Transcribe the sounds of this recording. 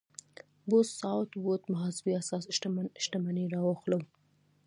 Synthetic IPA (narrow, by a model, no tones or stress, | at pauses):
bossɑwt̪wot̪maɦɑsɪbiasɑsʃʈ̪amaneɾɑwoxləw